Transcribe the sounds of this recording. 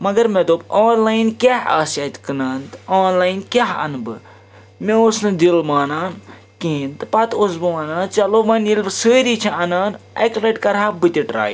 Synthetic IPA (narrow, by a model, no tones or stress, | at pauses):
mɐɡɐɾmed̪oboːnlaːjinkʲaɦa̰ːsɐt̪ʲkɨnaːnt̪ɨoːnlaːjnkʲaɦɐ̰nbɨ | meusnɨd̪ilmaːnaːn | kĩːnt̪ɨpɐt̪os̬bɨʋaːnãːnt͡ʃɐloːʋɐnilbɨsəːɾiːt͡ʃʰiɐnaːnɐkleʈkɐɾaːbɨt̪ʲiʈɾa̰ːji